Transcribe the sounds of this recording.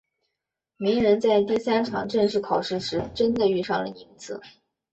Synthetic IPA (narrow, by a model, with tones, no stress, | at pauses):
mi˧˥ŋɻə˧˥nt͡sa˥˧ɪt̪i˥˩sa˥nʈ͡ʂʰɑ̰˨˩ŋʈ͡ʂə˥˧ŋʂɻ̩˥˩kʰɑ˨˩ʊʂɻ̩˥˩ʂɻ̩˧˥ʈ͡ʂə˥nd̪ə˨y˥˧ʂɑ˥˩ŋlə̰˩i˧˥ŋt͡sʰɹ̩˥˩˦